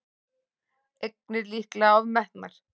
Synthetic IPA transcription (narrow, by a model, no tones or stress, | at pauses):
ek̚nɪɾlihklaavmɛht̪naɾ̥